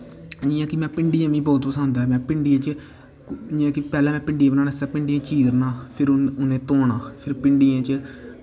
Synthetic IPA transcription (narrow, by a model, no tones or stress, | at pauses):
ĩːãːkɪmɛ̃ːpɪɳɖijãːʋĩːbɔːt̪pəsãːnd̪aːɛmɛ̃ːpɪɳɖijãːt͡ʃə | ãːkɪpɛːlãːmɛ̃ːpɪɳɖijãːbnaːnesaːpɪɳɖijãːt͡ʃiːɾnãːpʰɪɾʊnẽːt̪oːɽãːpʰɪɾpɪɳɖijãːt͡ʃə